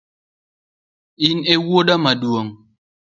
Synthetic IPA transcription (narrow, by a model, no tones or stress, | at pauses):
inewwoɗamaduoŋ